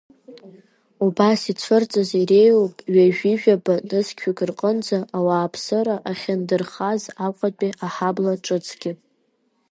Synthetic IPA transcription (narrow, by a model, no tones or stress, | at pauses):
ubasit͡sʷʰɨrt͡sʼazirejopʼɥaʒᶣiʒᶣabanɨskʲʰikʰʼɨrqʼənd͡zaʔawaːpʰsɨɾaʔaχʲandɨrχazaqʼat͡pʼiʔaħablaʈ͡ʂʼɨt͡sʼʰɡʲɪpʼ